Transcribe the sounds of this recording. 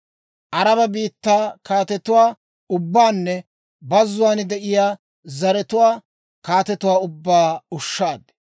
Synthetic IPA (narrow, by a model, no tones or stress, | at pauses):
ʔɐɾɐbɐbiːt̪ːaːkaːt̪ɛt̪ʊwaː | ʊbːaːnːɛ | bɐzːʊwaːnd̪ɛʔɪjaː | zɐɾɛt̪ʊwaː | kaːt̪ɛt̪ʊwaːʊbːaːʊʃːaːd̪